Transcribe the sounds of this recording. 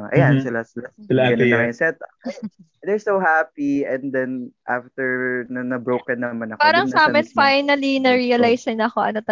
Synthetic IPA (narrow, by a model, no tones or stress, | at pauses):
ʔɐ̰jansɪlasɪlaɪlaɐnɐaɪnsɛt̪̚ɐ | d̪ɛɹsohapiɛ̃nd̪ɛnʔaft̪ɛɹnɐnɐbɹowkɛnːɐmanɐkpaːɾɐŋsaːmɐnfajnɐlinɐɹiɐlajsɪnɐːkoʔɐnot̪ɐ